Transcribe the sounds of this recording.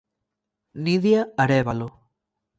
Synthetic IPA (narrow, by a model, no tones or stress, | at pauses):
niðjaaɾeβalo